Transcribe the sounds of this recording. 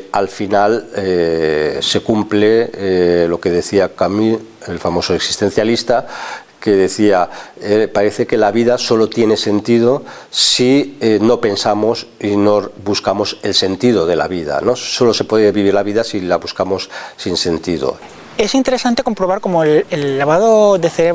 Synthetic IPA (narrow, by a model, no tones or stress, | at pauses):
alfinale | se̞kumple | lo̞ke̞ð̞e̞θiakamielfamo̞soeksi̥st̪e̞n̟θjalist̪a | ke̞ðe̞θiaepaɾe̞θe̞ke̞laβiðaso̞lo̞t̪jene̞se̞nt̪ið̞o̞sieno̞pe̞nsamo̞sino̞βuskamo̞se̞lse̞nt̪ið̞o̞ðe̞la̰βiða̰no̞so̞lo̞se̞pweðeβiβiɾlaβiðasilaβuskamo̞sːinse̞nt̪iðo̞̰ | e̞sint̪e̞ɾesant̪eko̞mpɾoβaɾko̞moelelːaβaðoðeθeɾe